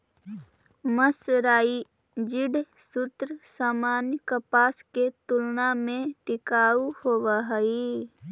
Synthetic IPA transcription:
məsɾaːi | d͡ʒɪɖ | sʊt̪ɾəsaːmaːnkəpaːsket̪ʊlnamẽʈɪkaːuhoːʋaɦəi

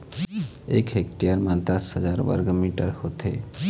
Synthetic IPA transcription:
ekɦekʈijəɾmãnt̪asɦəd͡ʒaɾʋə̰ɾɡəmiʈəɾhot̪ʰḛ

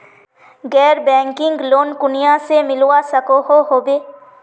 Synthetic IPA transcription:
ɡɛːɾbɛ̃ːŋkɪ̃ŋɡloːnkʊnijasemɪlwasəkoɦoɦoːbeː

